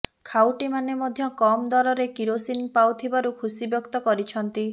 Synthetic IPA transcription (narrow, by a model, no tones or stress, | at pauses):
kʰawʈimanemɔd̪ʱjɔkɔmd̪ɔɾɔɾekiɾosinpawt̪ʰibaɾukʰusibjɔkt̪ɔkɔɾit͡ʃʰɔnt̪i